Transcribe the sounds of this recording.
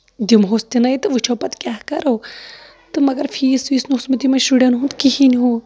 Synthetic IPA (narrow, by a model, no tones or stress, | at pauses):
d̪imɦost̪inɐit̪ɨʋut͡ʃʰopɐt̪kʲaːɦkɐɾoː | t̪ɨmɐɡɐɾfʰiːsʋiːsnusmt̪imɐʃuɽenɦunt̪kihiniɦu